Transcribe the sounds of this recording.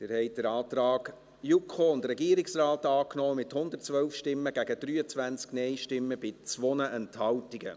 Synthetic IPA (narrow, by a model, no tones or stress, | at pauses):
d̥ɪːɾhɛɪt̚d̥əɾɑːt̪ɾɑːɡ | jukχoʊndrɛɡiːəɾiksraːtɑːknɔːmɪthʊndərtt͡sʋœwfʃtɪmːəɡ̥æɡəd̥ɾyːət͡sʋænt͡sknɛɪʃtɪmːəbɪt͡sʋɔnəʔɛnthɑwtiɡə̰